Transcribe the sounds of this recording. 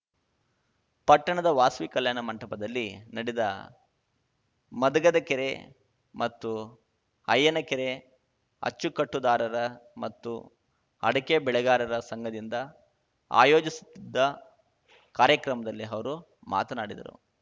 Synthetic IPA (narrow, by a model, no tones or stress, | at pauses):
pɐʈːɐɳɐd̪ɐʋaːsʋikɐljaːnɐmɐɳʈɐpɐd̪ɐlːinɐɽid̪ɐ | mɐd̪ɐɡɐd̪ɐkeɾe | mɐt̪ːu | ɐjːɐnɐkeɾe | ɐ̰t͡ʃːukɐʈːud̪aːɾɐɾɐmɐt̪ːṵ | ɐ̰ɽɐkebɛɭɛɡaːɾɐɾɐsɐŋɡɐd̪ind̪ɐ | a̰ːjo̞ːd͡ʒisu̥t̪ːid̪ːɐ | kaːɾjɐkɾɐmɐd̪ɐlːiɐʋɐɾu | ma̰ːt̪ɐnaːɽid̪ɐ̰ɾṵ